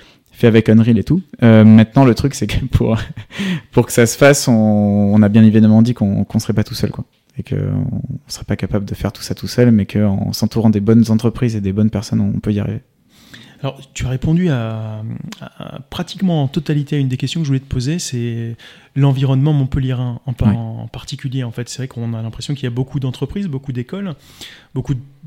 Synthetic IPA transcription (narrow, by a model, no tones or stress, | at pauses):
fɛavɛkɔnʁilet̪uømɛ̃t̪nɑ̃lət̪χyksɛkəpʰṵʁ | puʁkə̥sasə̥fasɔ̃ːnabjɛ̃levɛd̪əmɑ̃d̪ikɔ̃kɔ̃səʁɛpat̪u̥sœ̰lkwa̰ | ekʰə̰ɔ̰̃ːsəʁɛpakapabləd̪əfɛʁt̪u̥sat̪usœlmɛkʰəɑ̰̃sɑ̃t̪uʁɑ̃d̪ebɔnzɑ̃t̪χəpχized̪ebɔnpɛʁsɔnɔ̰̃pøia̰ʁḭve | alɔʁt̪yaʁepɔ̃d̪ya | a̰pχat̪ikmɑ̃ɑ̃t̪ɔt̪alit̪eaynd̪ekʲɛst̪jɔ̃kəʒəvulɛt̪ə̥pozesɛ | lɑ̃viʁɔnmɑ̃mɔ̃pəljeʁɛ̃ɑ̃pːpaʁt̪ikʲyljeɑ̃fɛt̪sɛvʁɛkɔ̃nalɛ̃pχesjɔ̃kilijabokʰud̪ɑ̃t̪χəpχizbokud̪ekɔlbokud̪